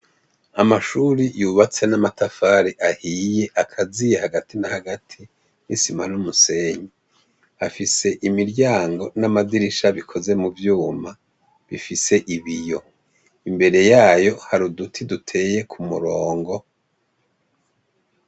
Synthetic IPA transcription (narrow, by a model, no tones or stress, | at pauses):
amaʃuɾijuβat͡se̞namatafaːɾiʔahije̞ʔakʰazijehaɡatinahaɡatʰi | nisimanumuse̞ɲi | afise̞ʔimiɾɟaːŋɡo̞namadiɾiʃaβikʰo̞ze̞muvjuːma | βifise̞ʔiβijo̞ | imbe̞ɾe̞jaːjo̞haɾudutʰidutʰe̞ːje̞kʰumṵɾo̞ːŋɡo̞